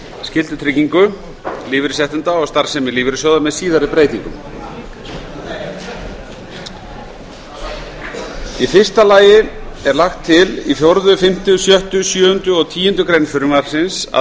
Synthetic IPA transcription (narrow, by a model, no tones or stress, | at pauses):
scɪlt̪ʏt̪ʰɾɪcːiŋkʏ | liːvɪɾɪsjɛht̪ʏnt̪aɔɣst̪aɾ̥sɛmɪliːvɪɾɪsjoːwðamɛðsiːðaɾɪpɾeːjt̪iŋkʏ̰m | ifɪr̥st̪alaːjɪɛɾlaxt̪ʰːɪlifjɔɾðʏfɪm̥t̪ʏsjœht̪ʏsjœːhʏnt̪ʏɔɣt̪ʰiːʏnt̪ʏkɾejnfʏɾʏmaɾ̥sɪnsa̰